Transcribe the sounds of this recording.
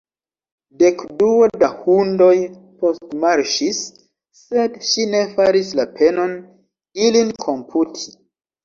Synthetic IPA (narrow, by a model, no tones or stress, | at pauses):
de̞kduodahundo̞j | po̞stmaɾʃisː | e̞dʃine̞faɾislapʰe̞no̞n | ilinkʰo̞mpʰutʰi̥